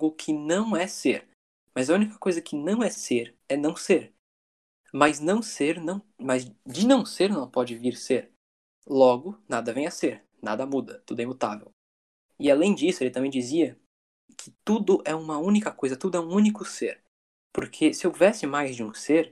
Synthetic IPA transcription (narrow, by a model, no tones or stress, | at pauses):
ɡʊkʰɪnɐ̃w̃ɛseɾ | mɐzɐũnikɐkojzɐkʰɪnɐ̃w̃ɛseɾ | ɛnɐ̃w̃seɾ | mɐznɐ̃w̃seɾnɐ̃w̃mɐzd͡ʒɪnɐ̃w̃seɾnɐ̃w̃pɔd͡ʒɪviɾseɾ | lɔɡʊnad̪ɐvẽj̃ɐseɾ | na̰d̪ɐmud̪ɐt̪ud̪ʊɛmut̪a̰vḛw | ɪalẽj̃d͡ʒisʊelɪt̪ɐ̃mbẽj̃d͡ʒiziɐ | kʰɪt̪ud̪ʊʔɛũmɐũnikɐkojzɐt̪ud̪ʊɛũũnikʊseɾ | poɾkʰesɪewvɛsɪmajzd͡ʒɪũseɾ